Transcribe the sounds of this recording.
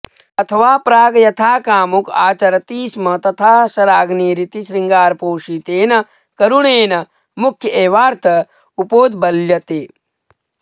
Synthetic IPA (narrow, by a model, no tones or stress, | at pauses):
ɐt̪ʰɐʋaːpɾaːɡɐjɐt̪ʰaːkaːmukaːt͡ʃɐɾɐt̪iːsmɐt̪ɐt̪ʰaːʃɐɾaːɡneːɾit̪iʃɾiŋɡaːɾpoːʃit̪eːnɐ | kɐɾuɳeːnɐ | mukʰjɐʔeːʋaːɾt̪ʰɐ | upoːd̪bɐljɐt̪eː